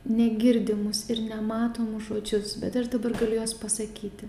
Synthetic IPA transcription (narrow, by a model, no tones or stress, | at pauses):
nʲɛɡʲɪɾʲd̪ʲɪmʊsɪɾnʲɛmɑːt̪oːmʊʒoːd͡ʒʲʊsbʲɛt̪ɐʃd̪ɐbɐrɡɐlʲʊjoːspɐsɐkʲiːt̪ʲɪ